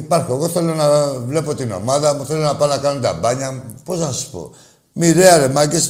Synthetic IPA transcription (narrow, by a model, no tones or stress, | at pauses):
ipɐɾxoeɣo̞θe̞lo̞nɐvle̞po̞t̪ino̞̰maðɐθelonɐpanɐkɐnont̪ɐ̰bɐɲɐposnɐsu̥spo̰ | miɾeɐɾemɐcis